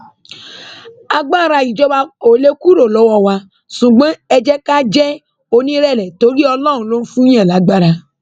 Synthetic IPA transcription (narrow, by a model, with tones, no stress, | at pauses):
a˧ɡ͡ba˦˨ɾa˧i˨d͡ʒɔ˦ba˧o˨le˦ku˦ɾo˦˨lɔ˨˦wɔ˧wa˧ | ʃũ˨ɡ͡bɔ̃˨˦ɛ˧d͡ʒɛ˦ka˦d͡ʒɛ˦ | o˧nĩ˦ɾɛ˦˨lɛ˨to˨˦ɾi˦ɔ˧lɔ̃˦˨ũ˨˦lo˦n̩˦fũ˦ɛ̃˦˨la˨˦ɡ͡ba˦˨ɾa˧